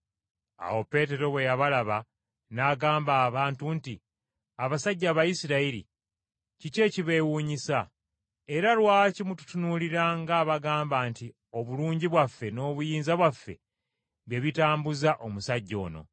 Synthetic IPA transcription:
a̰wo̞pe̞ːte̞ɾo̞βwe̞jaβalaβa | naːɡaːmbaːβaːntunti | aβasaɟːaβajisiɾaiɾḭ | cice̞ːciβe̞ːwuːɲisa | e̞ɾalwaːcimutu̥tunuliɾaŋɡaːβaɡaːmbaːnti | o̞βuluːɲɟiβwafːe̞no̞ːβujiːnzaβwafːe̞̰ | βjeβitaːmbuzaʔo̞musaɟːo̞̰ːno̞̰

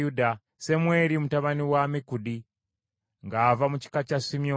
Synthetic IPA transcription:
uda | semweːɾimutaβaniwamikudi | ŋɡaːvamuci̥kacasimijo

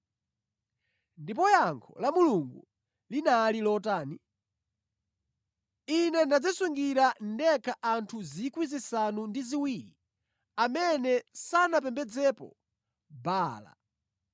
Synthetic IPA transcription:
ndipɔjaŋkʰɔ̰lamuluŋɡu | linalilɔtaːni | inɛnad͡zasuŋɡiɾan̩dɛkʰaʔantʰuzikwizisanundiziwiɾi | amɛnɛsanap̬ɛmbɛd͡zɛpɔ̰ | baːla̰

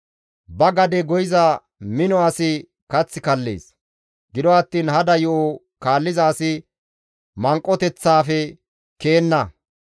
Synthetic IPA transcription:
bɐɡɐd̪ɛɡɔjɪzɐ | mɪnɔɐsɪ | kɐt͡sːɪkɐlːḛːs | ɡɪd̪ɔɐt̪ːiːnhɐd̪ɐjɔʔo | kaːlːɪzaːsɪ | mɐŋkʼːɔt̪ɛt͡sːaːfɛ | ke̞ːnːɐ

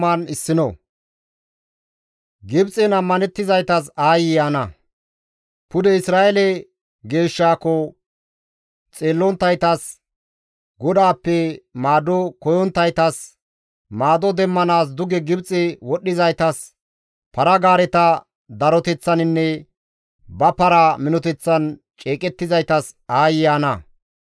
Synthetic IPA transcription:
ɐnɪsːɪnɔ̰ | ɡɪbt͡sʼɛnɐmːɐnɛt̪ːɪzɐjt̪ɐs̬aːjɪjaːnɐ | pʊd̪ɛɪsɾaːɛlɛ | ɡe̞ːʃːaːkːɔ | t͡sʼe̞ːlːɔnt̪ːɐjt̪ɐs | ɡɔd̪aːpːɛmaːd̪ɔkɔjɔnt̪ːɐjt̪ɐs | maːd̪ɔd̪ɛmːɐnaːs̬d̪ʊɡɛɡɪbt͡sʼɛwɔɗːɪzɐjt̪ɐs | pɐɾɐɡaːɾɛt̪ɐ | d̪ɐɾɔt̪ɛt͡sːɐnɪnːɛ | bɐpɐɾaːmɪnɔt̪ɛt͡sːɐn | t͡ʃʼeːkʼɛt̪ːɪzɐjt̪ɐsaːjɪjaːnɐ

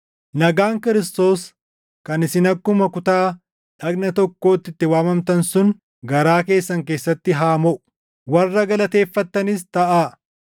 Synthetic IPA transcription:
nɐɡaːŋkɪɾɪst̪o̞ːs | kɐnɪsɪnɐkːʊmɐkʊt̪aː | ᶑɐɡnɐt̪ɔkːo̞ːt̪ːɪt̪ːɪwaːmɐmt̪ɐnsʊn | ɡɐɾaːke̞ːsːɐŋk̬e̞ːsːɐt̪ːɪɦaːmɔʔʊ̥ | wɐrːɐɡɐlɐt̪e̞ːfːɐt̪ːɐnɪst̪ɐʔaː

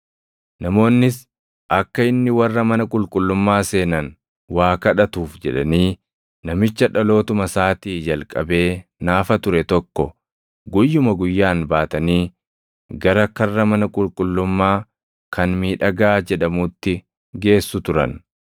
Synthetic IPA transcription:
nɐmo̞ːnːɪs | ʔɐkːɐɪnːɪwɐrːɐmɐnɐkʼʊlkʼʊlːʊmːaːse̞ːnɐn | waːkɐᶑɐt̪uːfd͡ʒɛᶑɐniː | nɐmɪt͡ʃːɐᶑɐlo̞ːt̪ʊmɐsaːt̪iːd͡ʒɐlkʼɐbe̞ːnaːfɐt̪ʊɾɛt̪ɔkːɔ | ɡʊjːʊmɐɡʊjːaːnbaːt̪ɐniː | ɡɐɾɐkɐrːɐmɐnɐkʼʊlkʼʊlːʊmːaː | kʰɐnmiːᶑɐɡaːd͡ʒɛᶑɐmuːt̪ːɪ | ɡe̞ːsːʊt̪ʊɾɐ̰n

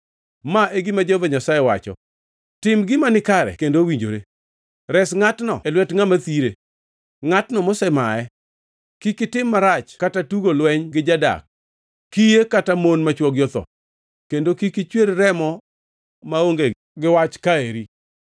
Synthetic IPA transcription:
maʔeɡimad͡ʒovaɲasajɛwat͡ʃɔ̰ | tɪmɡɪmanɪkaɾɛ̰kendowiɲd͡ʒo̰ɾe | ɾɛsŋatnɔ̰ɛlwɛtŋamat̪iɾe | ŋatnɔmosɛmaɛ | kikɪtɪmːaɾat͡ʃkatatuɡolwɛɲɡɪd͡ʒada̰k̚ː | ijekatamonmat͡ʃwɔɡjɔt̪ɔ̰ | kendokikit͡ʃweɾɾɛmɔ | maoŋɡe | ɡɪwat͡ʃkaeɾi

